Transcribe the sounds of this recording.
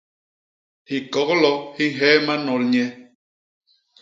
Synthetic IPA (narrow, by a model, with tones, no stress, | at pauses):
hi˨kɔ˨˦klɔ˦hi˦ŋ̩˦ɦɛː˦ma˦nɔ˨lɲɛ˦